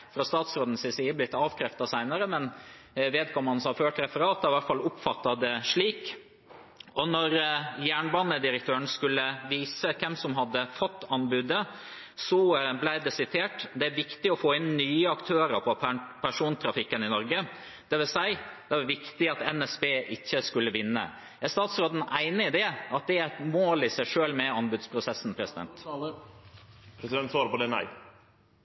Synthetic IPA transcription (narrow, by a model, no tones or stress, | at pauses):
fɾɑst̪ɑːt̪sɾoːd̪n̩sɪsiːəblɪt̪ːɑːʋkʰɾɛft̪ɑsæɪnəɾəmɛn | ʋeːd̪̚kʰɔmːɑnsɔmɑføːʈɾɛfəɾɑːt̪ɑɪʋæʈfɑlʊpfɑt̪ːɑd̪ɛʂɭiːk | ʔɔnɔɾjæːɳbɑːnəd̪ɪɾək̚t̪ʰøːəɳ̩skʉlːəʋiːsəkʰɛmsɔmɦɑd̪ːəfɔt̪ːɑnbʉd̪ə | sɔblæɪd̪ɛsɪt̪ʰeːʈd̪ɛæɾʋɪkt̪ɪɔfoːɪnnyːəɑkt̪ʰøːɾəɾpʰɔpʰæʂuːnt̪ʰɾɑfɪkːənɪnɔɾɡə | d̪̥ɛʋɪlsæɪd̪̥ɛʋɑɾʋɪkt̪ɪɑt̪ɛnɛsbeːʔɪçːəskʉlːəʋɪnːə̰ | æst̪ɑːt̪sɾoːd̪n̩ʔæɪnəɪd̪ɛɑt̪̚d̪ɛæt̪moːlɪsæɪʂøːlmɛɑnbʉd̪spʰɾʊsɛsːn̩pʰɾɛsɪd̪ɛ̰nt̪ | pʰɾɛsɪɛnt̪sʋɑːɾəpɔd̪ɛnæ̰ɪ